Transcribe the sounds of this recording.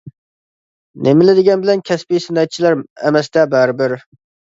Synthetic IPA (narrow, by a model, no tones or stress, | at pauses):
nʔemɪlɪd̪ɪɡʲɛnbɪlɛnkʲʰɛspijsɪnɛt̪̚t͡ʃʰilæɾɛmɛsd̪ɛbæɾbɪɾ